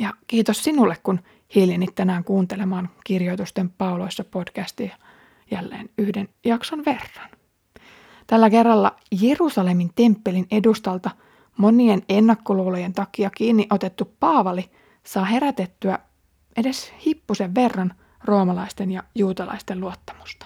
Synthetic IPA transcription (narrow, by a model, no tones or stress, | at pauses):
jɑkiːt̪ossinulːekkun | hiljenit̪tænæːŋkuːnt̪e̞le̞mɑːŋkirjo̞jt̪ust̪empɑulo̞jsːɑpo̞d̥kæst̪ijɑ | jælːḛːnyhdenjɑksonʋe̞rːɑn | t̪ælːæke̞rːɑlːɑ̰ | jerusɑle̞mint̪e̞mpːe̞line̞dust̪ɑlt̪ɑ | mo̞nienenːækːoluloje̞nt̪ɑkiɑkiːnːiʔo̞t̪e̞t̪ːuppɑːʋɑli | sɑːɦe̞ɾæt̪et̪ːyæ | ʔe̞de̞shipːuse̞ʋːe̞rːɑn | ro̞ːmɑlɑist̪enjɑjuːt̪ɑlɑ̰ist̪eluot̪ːɑ̥mu̥st̪ɑ̥